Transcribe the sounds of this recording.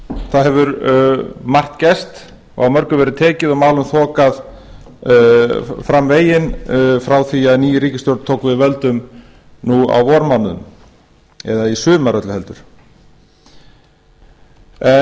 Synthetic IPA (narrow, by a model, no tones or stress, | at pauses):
θaðɦɛvʏɾ | mar̥t̪cɛst̪ | ɔ̰ɣawmœɾkʏvɛːɾɪðt̪ʰɛːcɪðamaːwlʏmθɔːkað | fɾamveːjɪnfɾawθiaðniːjʏɾiːcɪst̪jɔwɾt̪t̪ʰowkvɪðvɛlt̪ʏm | nua̰wvɔɾmanːʏm | ɛ̰ðaisʏːmaɾœt̪lʏhɛlt̪ʏɾ̥ | ɛ